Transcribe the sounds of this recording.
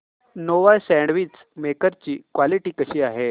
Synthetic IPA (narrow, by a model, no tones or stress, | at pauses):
noʋasɛ̃ɳɖʋit͡s | mekəɾt͡ɕiːkʋaliʈiːkəɕiːaɦe